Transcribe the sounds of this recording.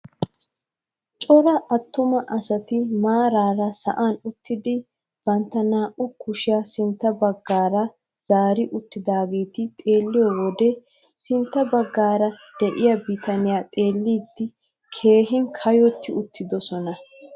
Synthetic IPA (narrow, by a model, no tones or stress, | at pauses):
t͡ʃʼɔɾɐʔɐt̪ːʊmɐʔɐsɐt̪ɪmaːɾaːɾɐsɐ̰ʔaːnʊt̪ːɪd̪ɪ | b̥ɐnt̪ːɐnaːʔʊkʊʃɪasɪnt̪ːɐbɐɡːaːɾɐ | z̥aːɾɪʔʊt̪ːɪd̪aːɡeːt̪ɪt̪ʼe̞ːlːɪjɔwɔd̪ɛ | sɪnt̪ːɐbɐɡːaːɾɐd̪̥ɛʔɪjɐbɪt̪ɐnɪjaːt̪ʼe̞ːlːiːd̪ːɪ | kʰe̞ːɦɪŋkʰɐjɔt̪ːɪʊt̪ʰːɪd̪ɔsɔnɐ